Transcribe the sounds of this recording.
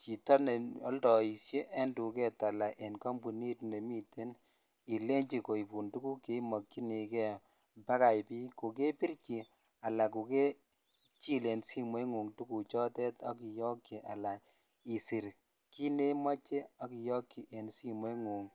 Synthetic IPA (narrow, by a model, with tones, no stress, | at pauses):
t͡ʃi˨tɔ˦ne˨ɔ˦ldɔ˨i˨sje˦ʔe˦ndu˨kɛ˦ta˨la˨ʔe˨nka˦mbu˨ni˦tne˨mi˦te˦n | i˨le˦ɲd͡ʒi˨ko˨i˨pu˨ntu˦ku˦ke˨˦mɔ˨kːi˦ni˨kɛ˦ | mpa˦ka˨jpi˦ko˨ke˦pi˦ɾt͡ʃi˨ | a˨la˨ku˨ke˦ | t͡ʃi˦le˨nsi˦mwe˦ŋu˨ŋtu˦ku˨t͡ʃɔ˦tɛ˦tɔ˦ki˨jɔ˦kːi˨ʔa˨la˨ | i˨si˨ɾ | ki˦ne˦ma˦t͡ʃe˦ɔ˦ki˨jɔ˦kːi˨ʔe˨nsi˦mwe˦ŋu˨ŋ